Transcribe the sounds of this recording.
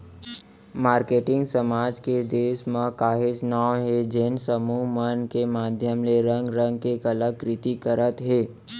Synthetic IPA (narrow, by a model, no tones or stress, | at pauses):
maːɾkeːʈɪ̃ŋɡsəmaːd͡ʒked̪eːʃmãkaːɦɪsnaːoɦed͡ʒɪnsəmumənkemaːd̪ʱjəmleɾə̃ŋɡɾə̃ŋɡkekələɡ̚kɾɪt̪ikəɾət̪ɦeː